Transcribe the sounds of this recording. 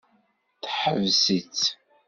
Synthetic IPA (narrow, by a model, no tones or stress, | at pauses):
t̪ħəvzit͡s